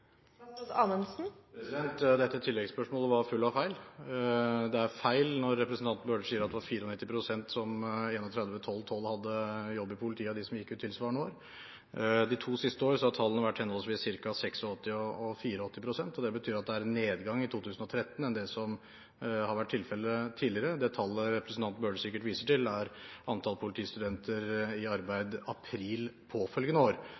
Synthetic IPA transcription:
ɑnənsn̩pʰɾɛsɪd̪ɛnt̪d̪ɛt̪ːət̪ʰɪlːɛɡspœʂmoːləʋɑɾfʉlːɑʋfæɪl | d̪ɛæɾfæɪlnɔɾːɛpɾəsn̩t̪ɑnt̪̩bøːɖəsiːəɾɑt̪d̪ɛʋɑɾfiːɾəɔnɪt̪ːɪpʰɾʊsɛnt̪sɔmeːnɔt̪ʰɾɛd̪ʋət̪ʰɔlːt̪ʰɔlːhɑd̪ːəjɔbːɪpʰʊlɪt̪ʰiːəd̪ɪsɔmjɪkːʉːt̪ʰːɪlsʋɑːɳoːɾ | d̪ɪt̪ʰuːsɪst̪əoːɾəsɔhɑt̪ʰɑlːənɑʋæʈːhɛnɔlsʋɪssɪɾkɑsɛksɔɔt̪ːɪɔɔfiːɾəɔt̪ːɪpʰɾʊsɛnt̪ɔd̪ɛbət̪ʰyːɾɑt̪̚d̪ɛæɾɛnːeːd̪ɡɑŋːɪt̪ʰuːt̪ʰʉːsn̩ɔt̪ʰɾɛt̪ːnɛnd̪ɛsɔm | hɑɾʋæʈ̚ʰːɪlfɛlːət̪ʰiːdlɪəɾəd̪ɛt̪ʰɑlːəɾɛpɾəsn̩t̪ɑnt̪̚bøːɖsɪkːəʈʋiːsəʈɪlæɾʔɑnt̪ʰɑlpʰʊlɪt̪ʰiːst̪ʉd̪ɛnt̪ʰəɾɪɑɾbæɪd̪ɑpʰɾiːlpʰɔfœlɡənəoːɾ

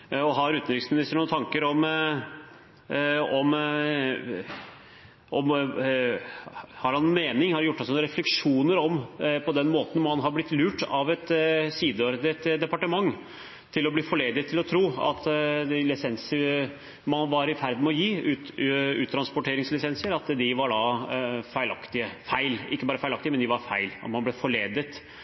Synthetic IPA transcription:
ɔɦɑɾʉːt̪nɾɪksmɪnɪst̪əɳuːt̪ʰɑŋkəɾɔm | ɔm | ʔɔm | hɑɾhɑnːmeːnɪŋhɑɾjʊʈːɑlsɔnɾɛflɛkʂuːnəɾɔmpʰɔd̪ɛnmoːt̪n̩hɑnɦɑɾblɪt̪ːlʉːʈɑʋɛt̪siːd̪əoɾd̪ət̪d̪ɛpɑʈəmɑŋː | t̪ʰɪlɔbliːfɔɭeːd̪ət̪ʰːɪlɔt̪ʰɾuːɑ̰t̪lɪsɛnsəɾ | mɑnʋɑɾɪfæɾd̪mɛɔjiːʉʉːt̪ʰɾɑnspɔʈʰeːɾɪŋslɪsɛnsəɾɑt̪d̪ɪʋɑɖɑfæɪlɑkt̪ɪəfæɪlɪ̰kːəbɑːɾəfæɪɑk̚t̪ɪmɛnd̪ɪʋɑɾfæɪlɑ̰t̪mhɑnblɛfɔɭeːd̪ət̪

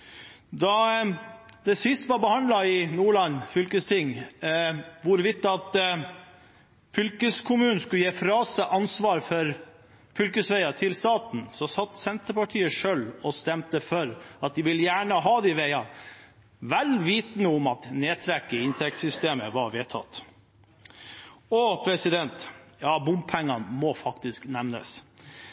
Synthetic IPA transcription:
d̪ɑ | d̪ɛsɪst̪əʋɑɾbəhɑnd̪lɑɪnuːɭɑnfʏlkəst̪ʰɪŋ | ʋʊɾʋɪt̪ːɑt̪ | fʏlkəskʰʊmʉːnn̩skʉljeːfɾɑːsəʔɑnsʋɑːɾfɔɾ | fʏlkəsʋæɪɑt̪ʰɪlst̪ɑːt̪n̩sɔsɑt̪ːsɛnt̪əpɑʈʰiːəʂøːlɔst̪ɛmt̪əfœɾɑt̪̚d̪ɪʋɪljæːɳəɦɑːd̪ɛʋɛɪɑ | ʋælʋiːt̪nəʊmɑt̪neːt̪ʰɾɛkːəɪnt̪ʰɛk̚t̪sʏst̪eːməʋɑɾʋeːt̪ʰɑ̰t̪ː | ɔpʰɾɛsɪd̪ɛnt̪jɑːbʊmb̚pʰɛŋːɑnmɔfɑkt̪ɪsknɛmnə̰s

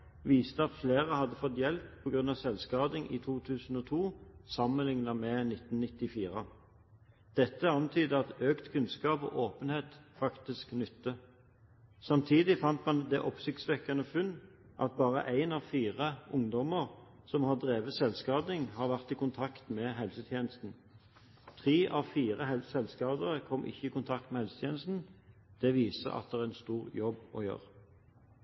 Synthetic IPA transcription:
ʋiːst̪əɑt̪fleːʁəhɑd̪ːəfɔt̪ːjɛlppʰɔɡʁʉnɑʋsɛlskɑːd̪ɪŋʔḭːt̪ʰuːt̪ʰʉːsn̩ɔːt̪ʰuːsɑmənlɪŋnɑmɛnɪt̪n̩nɪt̪ːɪfiːʁə | d̪̥ɛt̪ːəɑnt̪ʰyːd̪əɑt̪øːkt̪kʰʉnskɑːpɔ̰ːʔoːpənheːt̪fɑkt̪ɪsknʏt̪ːə | sɑmt̪ʰiːd̪ɪfɑnt̪mɑnd̪ɛʔɔpsɪkt̪sʋɛkːɑnəfʉnː | ʔɑ̰t̪̚bɑːʁə̰ʔæɪnɑʋfiːʁəʊŋd̪ɔməʁ | sɔmhɑːʁd̪ʁeːʋəsɛlskɑːd̪ɪŋhɑːʁʋæʁt̪ɪkʊnt̪ʰɑkt̪mɛɦɛlsət̪ʰjeːnəst̪n̩ | t̪ʰʁiːʔɑʋfiːʁəhɛlsɛlskɑːd̪əʁəkʰɔmːʔɪ̰çːəiːkʊnt̪ʰɑk̚t̪mɛhɛlsət̪ʰjeːnəst̪n̩d̪̥ɛʋiːsə̰ʔɑ̰t̪d̪ɛʁæɛɛnst̪uːʁjɔbɔ̰jø̰ːʁ

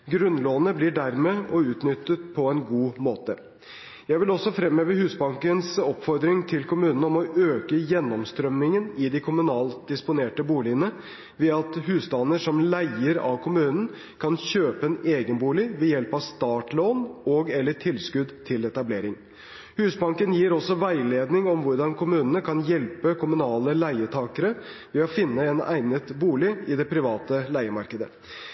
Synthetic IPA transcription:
ɡɾʉnloːnəblɪɖæɾmeːʔɔʉːt̪nʏt̪ːət̪̚pʰɔɛnɡuːmoːt̪ə | jæɪʋɪlɔsːɔfɾɛmːøːʋəhʉːsbɑŋkənsɔpfɔɾd̪ɾɪŋt̪ʰɪlkʰʊmʉːnn̩ɔmɔʔøːkəjɛnːɔmst̪ɾœmnɪŋənɪd̪ɪkʰʊmʉnɑːld̪ɪspʊneːʈəbuːlɪənə | ʋɛːɑt̪hʉːsd̪ɑːnəʂɔmlæɪəɾɑ̰ʋkʰʊmʉːnn̩ | kʰɑnçøːpəɛneːɡənbuːlɪʋɛjɛlpɑʋst̪ɑːʈloːnɔɡɛlːəʈʰɪlskʉd̪t̪ʰɪlɛt̪ɑbleːɾɪŋ | hʉːsbɑŋkənjiːɾɔsːɔʋæɪleːd̪nɪŋɔmʋʊɾɖɑnkʰʊmʉːnənəkʰɑnjɛlpəkʰʊmʉnɑːləlæɪət̪ʰɑːkəɾəʋɛɔfɪnːəɛnæ̰ɪnət̪buːlɪɪd̪ɛpʰɾɪʋɑːt̪əlæɪəmɑɾkəd̪ə

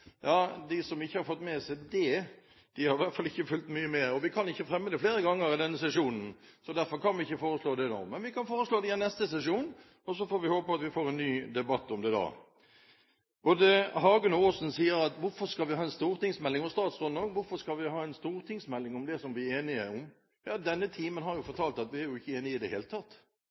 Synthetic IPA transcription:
jɑːd̪ɪsɔmɪçːəhɑɾfɔt̪ːmɛsɛd̪ɛ | d̪̥ɪhɑɾʋæt̪fɑlɪçːəfʉlt̪myːəmeːɾɔʋɪkʰɑnɪçːəfɾɛmːəd̪ɛfleːɾəɡɑŋːəɾɪd̪ɛnːəsɛʂuːnn̩sɔd̪æɾfɔɾkɑnʋɪɪçːəfoːɾəsloːd̪ɛno̰ːmɛnʋɪkɑnfoːɾəsloːd̪ɛɪɛnɛst̪əsɛsuːn | ɔsɔfoːɾʋɪhoːpəpɔɑt̪ʋɪfoːɾɛnːyːd̪ɛbɑt̪ːɔmd̪ɛd̪ɑ̰ː | ʔɔd̪ɛhɑːɡənoːsn̩siːəɾɑt̪ʋʊɾfɔɾskɑlʋɪhɑːɛnst̪uːɾt̪ɪŋsmɛlːɪŋɔst̪ɑːt̪sʁɔnd̪ɑɡŋʋʊɾfɔskɑlʋɪhɑːɛnst̪uːʁt̪ʰɪŋsmɛlːɪŋɔmd̪ɛsɔmʋɪeːnɪəɔm | jɑːd̪ɛnːət̪ʰiːmənhɑɾjʊfɔt̪ʰɑːlt̪ɑt̪ʋɪæɾjʊɪçːəeːnɪɪd̪ɛheːlət̪ʰɑt̪ː

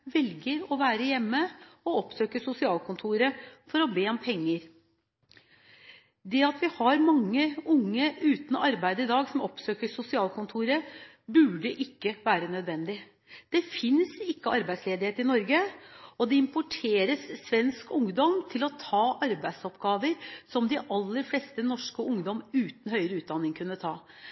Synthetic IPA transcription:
ʋɛlɡəɾɔʋæːɾəjɛmːəɔɔpsøːkəʂʊsɪɑːlkʰʊnt̪ʰuːɾəfɔɾɔbeːɔmpʰɛŋːəɾ | d̪ɛɑt̪ʋɪhɑɾmɑŋːəʊŋːəʔʉːt̪n̩ɑɾbæɪd̪əɪd̪ɑːɡsɔmɔpsøːkəʂʊsɪɑːlkʰʊnt̪ʰuːɾə | bʉːɖəʔɪkːəʋæːɾənœd̪ʋɛnd̪ɪ | d̪̥ɛfɪnsɪkːəɑɾbæɪsleːd̪ɪheːt̪əɪnɔɾɡəɔd̪ɛɪmpʊʈʰeːɾəsːʋɛnskʊŋd̪ɔmt̪ʰɪlɔt̪ʰɑːʔɑɾbæɪd̪sɔpɡɑːʋəɾsɔmd̪ɪʔɑlːəɾfleːst̪ənɔʂkəʊŋd̪ɔmʉːt̪n̩hœʏɾəʉːd̪ɑnːɪŋkʰʉnːət̪ʰɑ̰ː

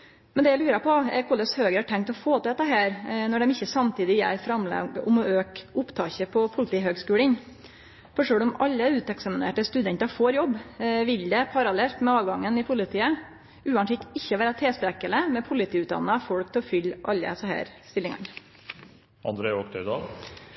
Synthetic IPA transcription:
mɛnd̪ɛjæɪlʉːɾəpʰɔɛkʰɔləshøːɡɾəhɑʈʰɛŋkt̪ɔfoːt̪əd̪ɛt̪ːəɦæːɾnɔɖɛmɪçːəsɑmt̪ʰiːd̪ɪjæ̰ɪfɾɑmlɑ̰ɡʊ̰mɔøːkʊpt̪ʰɑːçəpʰɔpʰʊlɪt̪iːɦøːɡskʉːlən | fɔʂøːɽɔmɑlːəʉːt̪ɛksɑmɪnḛːʈəst̪ʉd̪ɛnt̪ɑfoːɾjɔbːʋɪld̪ɛpʰɑɾɑlɛlt̪mɛɑːʋɡɑŋːənɪpʰʊlɪt̪ʰiːə | ʉːɑnsɪkt̪ɪçːəʋæːɾɑt̪ʰeːsp̪ɾɛkːələmɛpʰʊlɪt̪ʰiːʉːt̪̚d̪ɑ̰nːəɑfɔɽk̚t̪ʰɛlɔfʏlːʔɑ̰lːə̰səɦæ̰ːɾst̪ɪlːɪŋɑ̰n | ʔɑ̰nd̪ɾeɪɔkt̪ʰœɪd̪ɑ̰ːɡ

